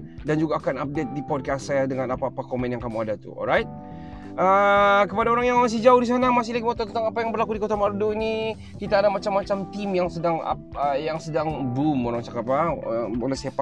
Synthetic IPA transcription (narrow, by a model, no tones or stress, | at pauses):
dand͡ʒuɡaːkanap̚det̪̚dipɔd̚kassajadəŋanapaːpakomɛ̃njaŋkamuadat̪ṵɔ̰lɾajt̪̚ | əkəpadaoɾaŋjaŋmas̬ɪhd͡ʒauhdis̬anamas̬ɪhlaɡimot̪ɔt̪ənt̪aŋapajaŋbərlakudikot̪amarduini | kit̪aːdamat͡ʃamːat͡ʃamt̪imjaŋsədaŋa̰ | əjaŋsədaŋbumoɾaŋt͡ʃakapabolɛhsapa